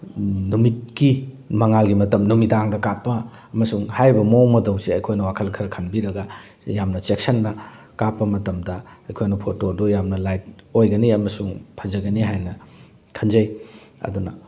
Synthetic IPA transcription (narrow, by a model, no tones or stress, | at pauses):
numit̚ki | mɐŋalɡimɐtɐmnumitaŋdɐkapːɐ | ɐmɐsuŋhajbɐmomɐdɐwsiɐjkʰojnɐwakʰɐlkʰɐɾɐkʰɐnbiɾɐɡɐ | jamnɐt͡ʃek̚sɐnːɐ | kapːɐmɐtɐmdɐɐjkʰojnɐpʰotodojamnɐlajt̚ojɡɐniɐmɐsuŋpʰɐzɐɡɐniɦajnɐ | kʰɐnzd͡ʒɐj | ɐ̰dunɐ̰